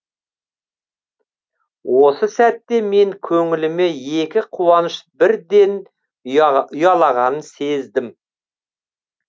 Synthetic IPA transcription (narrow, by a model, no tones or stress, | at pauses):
wʔo̞səsæt̪ːe̞me̞ŋkʲʰɵŋɪlɪme̞je̞kʲɪqʰuwɑnəʃbɪɾd̪e̞n | ʊjɑlˠɑʁɑnənse̞zd̪ɪm